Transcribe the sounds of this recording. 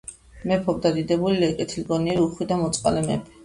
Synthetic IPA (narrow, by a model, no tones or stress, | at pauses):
mɛpʰɔb̚d̪ad̪id̪ɛbulilɛkʼɛt̪ʰilɡɔniɛɾiuχwid̪amɔt̪sʼqʼa̰lɛmɛ̰pʰɛ̥